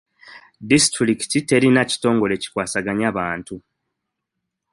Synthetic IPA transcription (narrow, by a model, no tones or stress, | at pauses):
distɾɾiki̥tite̞ɾinaci̥to̞ːŋɡo̞le̞ci̥kwaːsaɡaɲaːβaːntu